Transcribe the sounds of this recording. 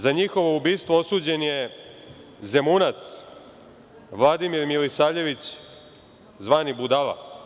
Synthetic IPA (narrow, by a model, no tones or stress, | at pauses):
zaɲixo̞ʋo̞ubiːst̪ʋoo̞suːd͡ʑe̞nje̞ | ze̞munat̪s | ʋlˠad̪imiɾmilisaːʎe̞ʋit͡ɕ | zʋaːnibud̪aʋa̰